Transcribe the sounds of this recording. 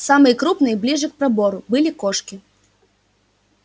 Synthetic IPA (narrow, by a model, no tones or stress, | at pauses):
samɨjkɾupnɨjblʲiʐɨk̚pɾabɔɾʊbɨlʲikɔʂkʲi